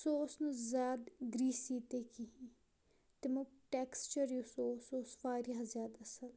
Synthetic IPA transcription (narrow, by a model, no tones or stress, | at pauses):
soːsnuzʲaːd̪ɡɾiːsiːt̪ekiɦi | t̪emuʈeːkst͡ʃəɾjusoːsoːsʋaːɾjazʲjaːd̪ɐsəl